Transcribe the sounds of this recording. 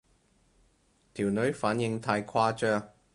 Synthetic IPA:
t̪ʰiː˨˩wnɵ˨˥ɥfaː˨˥njɪ˧ŋt̪ʰaː˧jkʰaː˥t͡ʃœː˧˥ŋ

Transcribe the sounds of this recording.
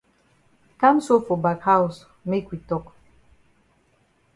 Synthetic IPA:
ka˦mso˦fo˨ba˨kha˦u˨s | me˦kʷi˨tɔ˦k

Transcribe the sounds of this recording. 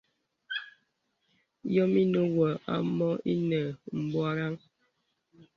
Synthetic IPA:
jɔ˦mi˦no˦wə˨a̰˦mɔ˦ḭ˦nə˨m̩˨bɔ˦a˦ɾa˦ŋ

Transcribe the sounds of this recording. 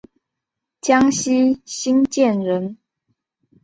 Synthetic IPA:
t͡ɕjɑ˦ŋɕi˦ɕi˦nt͡ɕjɛ˥˨nɻə˨˦n

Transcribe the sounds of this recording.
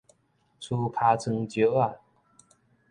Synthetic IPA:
t͡sʰu˧kʰa˧˥t͡sʰə˧ŋt͡ɕjo˨˧˦a˥˧˩

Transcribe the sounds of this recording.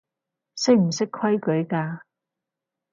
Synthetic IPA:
sɪ˥k̚m̩˨˩sɪ˥kʰwɐ˥jkɵ˨˥ɥkaː˧

